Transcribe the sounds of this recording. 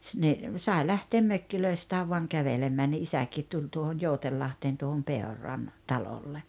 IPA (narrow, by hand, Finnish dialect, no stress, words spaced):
ni sɑe læhteːm møkːiløistæːʋ ʋoɑŋ kæʋelemːæː ni isækiːt tulʲ tuohon joutelːɑhteːn tuohom peorˑɑn tɑlolːe